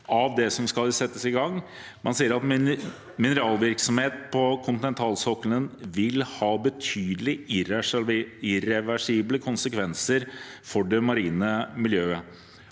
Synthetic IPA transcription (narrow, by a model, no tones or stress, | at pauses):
ɑʋd̪ɛsɔmskɑlsɛt̪ːəsɪɡɑŋː | mɑnsiːəɾɑt̪ | mɪnəɾɑːlʋɪɾksɔmheːt̪̚pʰɔkʰʊnt̪ɪnɛnt̪ʰɑːlsɔkːələnʋɪlhɑːbət̪ʰyːd̪əlɪɪɾ | ɪɾɛʋæʂiːbləkʰʊnsəkʰʋɛnsəɾfɔɖɛmɑɾiːnəmɪljøːə